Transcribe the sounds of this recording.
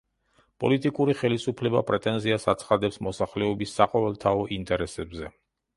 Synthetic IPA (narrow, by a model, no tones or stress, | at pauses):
pʼɔ̰lit̪ʼikʼuɾiχɛlisupʰlɛbapʼɾɛt̪ʼɛnziasat̪sʰχad̪ɛpsmɔsaχlɛɔbisːaqʼɔvɛlˠt̪ʰaɔʔint̪ʼɛɾɛsɛbzɛ